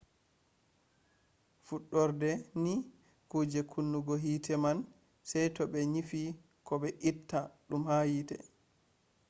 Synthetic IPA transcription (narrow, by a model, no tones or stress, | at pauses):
fuɗːɔɾdɛni | kud͡ʒɛkʰunːuɡɔɦitʰɛman | sɛjtɔbɛɲifi | kɔɓɛʔitːaɗumhajitɛ̰